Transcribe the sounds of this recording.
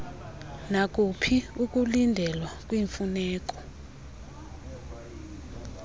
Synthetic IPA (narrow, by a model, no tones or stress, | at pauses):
nak̬ʼupʰiuk̬ʼulindʱɛlwak̬ʼwiɱfunɛːk̬ʼɔ̥